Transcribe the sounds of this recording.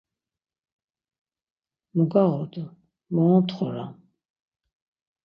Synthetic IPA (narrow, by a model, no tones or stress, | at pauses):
muɡaʁɔd̪ə | mɔɔt̪ʰχɔɾa̰